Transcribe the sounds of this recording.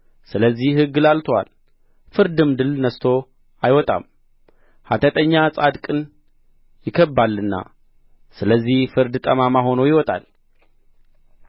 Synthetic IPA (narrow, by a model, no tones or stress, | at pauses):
sɨləzːihhɨɡːɨlalt̪ʰowa̰l | fɨɾd̪ɨmd̪ɨlnəst̪ʰo̞ | ajwɔt̪ʼa̰m | hat̪ʰət̪ʼəɲːasʼad̪kʼɨn | jɪkʰəbːalːɨnːa̰ | sɨləzːihfɨɾd̪t̪ʼəmamaɦo̞nojɪwɔt̪ʼa̰l